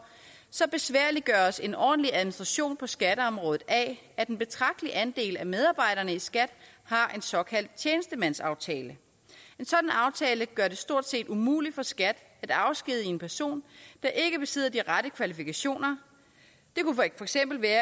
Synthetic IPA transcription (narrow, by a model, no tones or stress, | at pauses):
sɒ̽b̥e̝sʋæɐ̰liɡ̥ɶːɐse̝nɒ̰ːd̥n̩liʔæðˠminisd̥ʁɑ̈ɕo̝̰ːnpʰɒ̽sɡ̥æɾəɒ̽mʁɔ̽ːð̩ˠʔɛ | æd̥enb̥e̝t͡sʰʁɑ̈ɡ̥̚d̥əliʔænd̥e̝̰ːlæmeð̞ˠɑ̈ːb̥ɑ̈ɪ̰ɾ̥ɐnəisɡ̥æd̥ | hɑ̈ʔe̝nsɒ̽kʰæl̰d̥̚t͡ɕʰjeːnəsd̥əmæn̰sɑ̈ʊt͡sʰɛːlə | e̝nsɒ̽d̥n̩ɑ̈ʊt͡sʰɛːləɡ̥ɶɐde̝sd̥o̝ɐ̰d̥se̝̰ːd̥umṵːli̥fɒ̽sɡ̥æd̥ | æd̥ɑ̈ʊsɡ̥ið̞̰ˠie̝npʰæɐso̝̰ːnd̥ɑ̈ʔe̝ɡ̥əb̥e̝se̝̰ð̰ˠɐd̥iʁaɾəkʰʋælifikæɕo̝̰ːnɐ | d̥e̝kuffɒ̽eɡ̥sem̰b̥l̩ʋæːɐ